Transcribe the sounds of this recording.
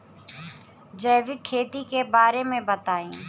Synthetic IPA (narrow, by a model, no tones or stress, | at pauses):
d͡ʒɛːʋɪkʰːeːt̪ikebaːɾemẽbɐt̪aːĩː